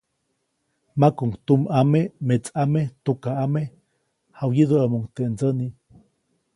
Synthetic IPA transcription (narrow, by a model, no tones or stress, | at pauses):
makuŋt̪umamemet͡samet̪ukaame | hawjiðəamuŋt̪eʔnd͡zəni